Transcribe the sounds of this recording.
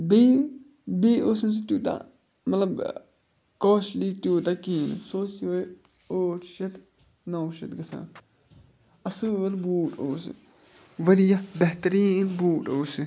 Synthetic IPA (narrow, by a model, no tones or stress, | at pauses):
bi | biːoːsus̬it̪juːt̪a̰ | mɐt̪lɐb | koːʃʈliːt̪uːt̪akiːnṵsosio | oːʈʰʃɐt̪ | noːʃɐt̪ɡɐsã̰ː | ɐsɨːlbuːʈoːsḭ | ʋɐɾijɐbɐht̪ɐɾiːnbuːʈoːsi